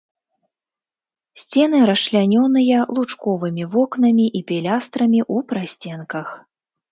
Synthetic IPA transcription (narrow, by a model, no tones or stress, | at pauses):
sʲt͡sʲɛn̪ɨɾɐsʂlʲanʲɔnɨjɐlˠut͡ʂkɔvɨmʲivɔknɐmʲiʔipʲɛlʲast̪ɾɐmʲiʔupɾasʲt͡sʲɛnkɐx